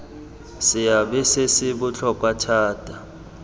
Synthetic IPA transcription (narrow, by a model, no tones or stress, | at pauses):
sɪjaɓɛsesiɓut͡ɬʰɔk̬ʼwatʰaːtʼa